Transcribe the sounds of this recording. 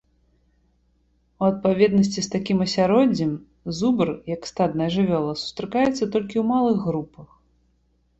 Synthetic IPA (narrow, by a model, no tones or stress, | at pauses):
uɐt̪̚pavʲɛd̪nɐsʲt͡sʲist̪akʲimɐsʲaɾɔd͡zʲɛm | zubɨrjɐkst̪ad̪nɐjɐʐɨvʲɔlˠɐsu̥st̪ɾɨkajɛt̪sːɐt̪ɔlʲkʲiwmalˠɨɣːɾupɐx